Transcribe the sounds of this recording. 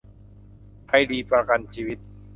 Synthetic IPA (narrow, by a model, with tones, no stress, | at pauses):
pʰa˧˩jdiː˧pɾa˧ka˧nt͡ɕʰiː˧wi˦˥t̪̚